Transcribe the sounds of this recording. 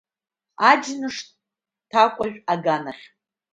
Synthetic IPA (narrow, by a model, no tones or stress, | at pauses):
ad͡ʒnɨʂ | tʰakʷʼaʒᶣaɡanaχʲ